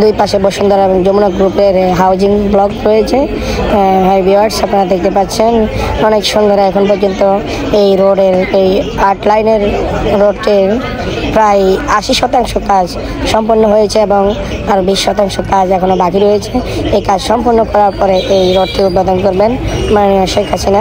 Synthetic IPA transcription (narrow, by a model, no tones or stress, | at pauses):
d̪ujpaʃebɔʃond̪ʱɔɾaeboŋd͡ʑomunokɡɾupeɾɦawd͡ʑiŋblɔɡɾojet͡ɕʰe | ɦajbiaɖsapnaɾad̪ek̚ʰt̪epaɾt͡ɕʰenɔnekʃond̪ʱaɾaɛkʰonp̬ɔɾd͡ʑont̪o | ejɾoɖeɾejaɾʈlajneɾɾoɖʈi | pɾajaʃiʃɔt̪aŋʃokad͡ʑ | ʃɔmponːoɦojet͡ɕʰeeboŋ | aɾbiʃːɔt̪aŋʃokad͡ʑɛkʰonobakiɾojet͡ɕʰeejkad͡ʑʃɔmpoɾnːokɔɾaɾpoɾeʔejɾoɖ̚ʈiut̪̚pad̪ʱonkoɾbenmanioʃejkʰːasina